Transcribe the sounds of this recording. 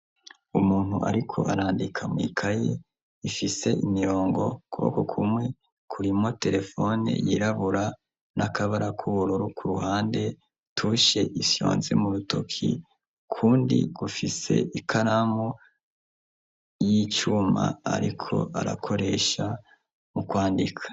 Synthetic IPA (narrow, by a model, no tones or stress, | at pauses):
umuːn̥huʔa̰ɾikʰo̞̰ʔaɾaːndikʰamwḭːkʰaje | ifise̞imiɾo̞ːŋɡo̞kuβo̰kokʰumŋe̞ | kʰuɾimo̞te̞ɾe̞fo̞nḛjiɾaβuɾa | nʔakʰaβaɾakʰuβuɾuɾukʰuɾuɦaːnde̞ | tʰuʃe̞isjo̞̰ːnzemuɾuto̞kʰḭ | kʰuːndḭɡ̥ufise̞̰ikʰaɾamo | jit͡ʃuma̰ːɾikʰo̞̰ʔa̰ɾa̰kʰo̞ɾe̞ːʃa | mukwaːndikʰḁ